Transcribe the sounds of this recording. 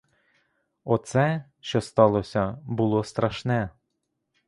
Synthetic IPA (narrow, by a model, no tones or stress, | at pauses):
ɔt̪sɛʃt͡ʃɔst̪ɑlˠɔsʲɐbʊlˠɔst̪ɾɐʃnɛ